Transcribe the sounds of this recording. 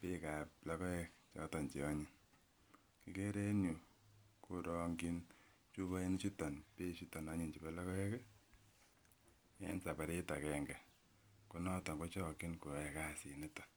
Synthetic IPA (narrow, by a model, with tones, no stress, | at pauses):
pe˦ka˨pla˦kɔ˦ɛ˦kt͡ʃɔ̰˦tɔ˨nt͡ʃe˨ɔ˦ɲi˨n | ki˦ke˦ɾe˦nju˨ | ko˦ɾɔŋɡi˦n | t͡ʃu˦βa˦i˦nɪ˦t͡ʃu˦ta˨npe˦t͡ʃi˦tɔ˨nɔ˦ɲi˨nt͡ʃi˨pɛla˦kɔ˦ɛ˦k | ɛ̰˦nsa˨pa˨ɾe˦ta˨kɛ˨ŋɡɛ˨ | ku˨nɔ˦tɔ˨ŋɡo˦t͡ʃɔ˦kɪ˦nko˨ɛ˨ka˦si˨nɪ˦tḁ˨